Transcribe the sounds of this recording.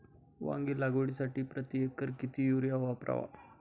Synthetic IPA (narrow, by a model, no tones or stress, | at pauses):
ʋã̰ŋɡiːlaɡoɽisaʈiːpɾət̪jekəɾkit̪ʰiːjuɾjaʋapɾa̰ʋa̰